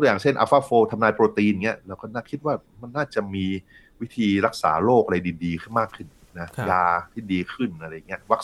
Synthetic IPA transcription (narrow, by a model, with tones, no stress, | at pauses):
k̪u˧˩ja˨˩t͡ɕʰe˥˩nʔa̰˧faː˧˥˩foː˧t̪ʰa˧mnaː˧jpɾoː˧t̪iː˧n˨˩ŋi˦˥ɐɾɛː˦˥wkɔː˥˩naː˥˩kʰi˦t̪̚waː˥˩ma˧nːaː˥˩t͡ɕa˨˩miː˧ | wi˦˥t̪ʰiː˧ɾa˦˥k̚sa̰ː˩˦loː˥˩k̚ʔa˧ɾa˧jdiː˨˧diː˧kʰɯ˥˩nmaː˥˩kʰːɯ˥˩n | na˦˥jaː˧t̪ʰiː˥˩diː˧kʰɯ˥˩nʔa˧ɾa˧ja˨˩ŋːi˦˥ɐwa˦˥